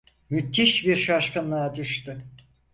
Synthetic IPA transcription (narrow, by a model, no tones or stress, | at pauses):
myt̪ʰːiʃbiɾʃaʃkɯnlˠad̪yʃt̪y